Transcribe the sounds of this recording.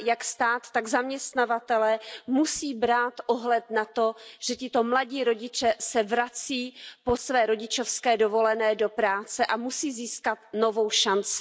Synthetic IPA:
jakst̪aːt̪ːaɡzamɲɛst̪navat̪ɛlɛːmusiːbɾaːt̪ʔoɦlɛt̪nat̪o̞ʒ̥ɛcɪt̪o̞mlaɟiːɾo̞ɟɪt͡ʃɛsɛvɾat͡siːposvɛːɾo̞ɟɪt͡ʃo̞fskɛːdo̞vo̞lɛnɛːdo̞pɾaːt͡sɛʔamusiːziːskat̪̚no̞vo̞wʃant͡sɪ̥

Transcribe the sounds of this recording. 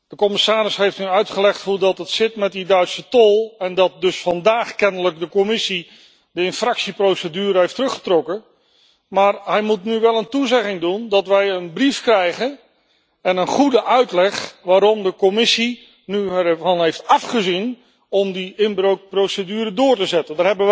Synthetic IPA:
d̥əkɔmɪsaːɾɪsɦejftnyœɥtχəlɛχtfodɑtətsɪtmɛt̚didœɥtsətɔlˠɛndɑt̚dɵsfɑndaːχkɛnələk̚dəkɔmɪsi | dəɪnfrɑksiprowsədyːɾəɦejftərɵχə̥trɔkə | maːɹɦɛjmutnyʋɛlˠəntuzɛχɪŋdundɑtʋɛjənbrifkrɛjχən | ɛnənχudəʔœɥtlɛχʋaːɾɔmdəkɔmɪsi | nyɛvɑnɦejftɑfχəzin | ɔmdiɪnbrowk̚prowsədyːɾədʊːɹtəzɛtəndaːɹɦɛbəʋ

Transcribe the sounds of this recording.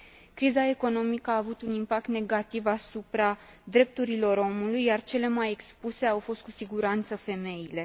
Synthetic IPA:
kɾizae̞ko̞no̞mikəaːvut̪unimpak̚t̪ne̞ɡat̪ivasupɾa | d̪ɾe̞p̚t̪uɾilo̞ɾo̞mulujːart͡ʃe̞le̞maje̞kspuse̞awfo̞st̪̚kusiɡuɾant̪səfe̞me̞jile̞

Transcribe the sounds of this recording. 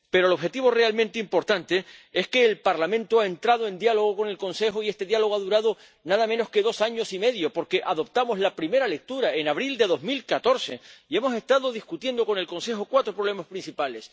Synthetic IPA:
pe̞ɾo̞lo̞βxe̞t̪iβo̞realmẽnt̪eimpo̞ɾt̪ant̪e̞e̞ske̞ːlpaɾlamẽnt̪oae̞nt̪ɾaðoe̞nd̪jaloɣ̞oko̞ne̞lkõ̞nse̞xoie̞st̪e̞ðjalo̞ɣaðuɾaðo | naðamẽno̞ske̞ðo̞saɲo̞sime̞ðjo̞po̞ɾke̞ʔaðo̞p̚t̪amo̞zlapɾime̞ɾale̞k̚t̪uɾae̞naβɾild̪e̞ðo̞zmilkat̪o̞ɾse̞̰ie̞mo̞se̞st̪aðo̞ðiskut̪je̞nd̪o̞ko̞ne̞lko̞nse̞xokwat̪ɾopɾo̞βle̞maspɾinsipale̞s

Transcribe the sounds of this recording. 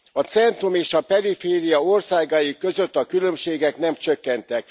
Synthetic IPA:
ɒt̪sɛnt̪rumeːʃɒpɛɾifeːɾijɒo̞rsaːɡajikːø̞zø̞t̪ːɒkylømʃeːɡɛknɛmt͡ʃøkːɛnt̪ɛk̚

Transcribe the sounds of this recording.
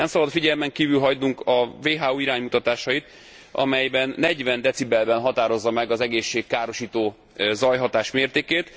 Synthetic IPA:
ɛmsɒbɒd̪fiɟɛlmɛŋkiːvylɦɒɟd̪uŋkɒveːɦaːuiɾaːɲmut̪ɒt̪aːʃɒjit̪ | ɒ̰mɛjbɛnːɛɟvɛnd̪ɛt̪sibɛlbɛnɦɒt̪aːɾo̞zːɒmɛɡɒzɛɡeːʃːeːkkːaːɾo̞ʃiːt̪oː | zɒjɦɒt̪aːʃmeːrt̪eːkeːt̪

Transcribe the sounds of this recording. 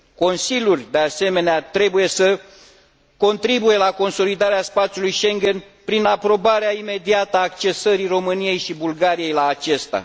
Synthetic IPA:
ko̞nsilʲjurʲd̪e̞ase̞me̞neat̪ɾe̞buje̞sə | ko̞nt̪ɾibuje̞lako̞nso̞lid̪aɾeaspat̪sʲjulujʃe̞ŋɡʲe̞n | pɾinapɾo̞baɾeaime̞d̪iat̪əaːkt͡ʃe̞səɾiro̞mɨnije̞jʃibulɡaɾije̞jlaːt͡ʃe̞st̪a̰

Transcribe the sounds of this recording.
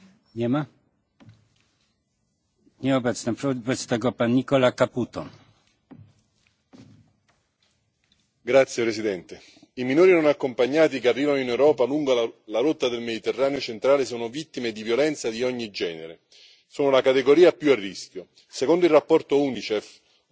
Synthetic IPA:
ɲɛma | ɲɛabɛt̪snapɾɔpɛt̪st̪aɡopːanːikɔlakaput̪o | ɡɾat̪sjepɾesid̪ɛnt̪e | iminoːɾinonakːompaɲːaːt̪̬ikearːiːvanoinewɾɔːpaluŋɡalaɾot̪ːad̪elmed̪it̪erːaːneot͡ʃent̪ɾaːlesoːnovit̪ːimed̪ivjolɛnt̪sad̪iɔɲːid͡ʒɛːnḛɾe | soːnolakat̪eɡoɾiːapjuarːiskʲjo | sekond̪oilːapːɔrt̪ounit͡ʃɛf

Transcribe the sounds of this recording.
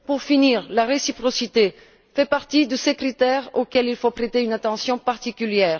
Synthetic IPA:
puʁfiniʁlaʁesipχɔsit̪e | fɛpaʁt̪id̪əsekχit̪ɛʁokɛlilfopχet̪eynat̪ɑ̃sjɔ̃paʁt̪ikʲyljɛːʁ

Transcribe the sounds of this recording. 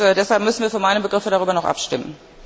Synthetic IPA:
ɛdɛshalpmʏsn̩viːɐfɔːɐmaɪnəbəɡʁɪfədaʁyːbɐnɔχʔa̰pʃtɪmən̩

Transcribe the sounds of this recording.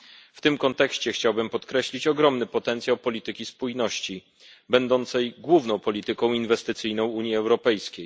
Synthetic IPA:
ft̪ɘmkɔnt̪ɛkɕt͡ɕɛxt͡ɕawbɘmpɔt̪kɾɛɕlʲit͡ɕɔɡɾɔmnɘpɔt̪ɛnt̪sjawpɔlʲit̪ɘkʲispujnɔɕt͡ɕi | bɛnd̪ɔnt̪sɛjɡwuvnɔ̃w̃pɔlʲit̪ɘkɔ̃w̃invɛst̪ɘt̪sɘjnɔ̃w̃uɲjiɛwɾɔpɛjskʲej

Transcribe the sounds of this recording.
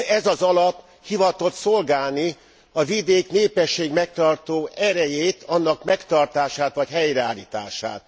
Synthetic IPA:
ɛzɒzɒlɒp | hivɒt̪o̞t̪so̞lɡaːlni | ɒvid̪eːkneːpɛʃːeːɡmɛk̚t̪ɒrt̪oːɛɾɛjeːt̪ʰɒnːɒkmɛkt̪ɒrt̪aːʃaːt̪ʋɒcɦɛjrɛaːliːt̪a̰ːʃa̰ːt̪

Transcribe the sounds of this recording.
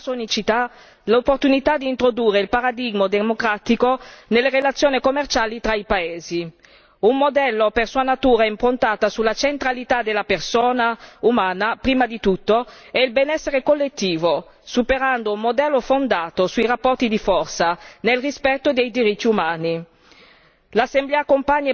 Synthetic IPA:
sonit͡ʃit̪a | lopːort̪unit̪ad̪iːnt̪ɾod̪uːrːeilpaɾad̪iɡmod̪emokɾat̪ikonelːeɾelat̪sːjoːnikomːert͡ʃaːlit̪ɾaipaeːzi | umːod̪ɛlːopersuːanat̪uːɾaimpɾont̪aːt̪asulat͡ʃent̪ɾalit̪ad̪elːapersoːnaumaːnapɾiːmad̪it̪ut̪ːo | ɛilbɛnɛsːeɾekolːet̪ːiːvo | supeɾand̪oummod̪ɛlːofond̪aːt̪osuirapːɔrt̪id̪ifɔrt̪sanelrispɛt̪ːod̪ejd̪iɾit̪ːiumaːni | lasːemblɛːakompaɲːe

